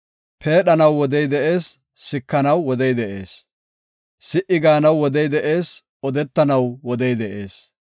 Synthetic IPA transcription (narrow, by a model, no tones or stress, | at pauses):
pʰe̞ːɗɐnɐwːɔd̪ɛjd̪ɛʔe̞ːsː | ɪkːɐnɐwːɔd̪ɛjd̪ɛʔe̞ːs | sɪʔɪɡaːnɐwːɔd̪ɛjd̪ɛʔe̞ːs | ɔd̪ɛt̪ːɐnɐwwɔd̪ɛjd̪ɛʔe̞ːs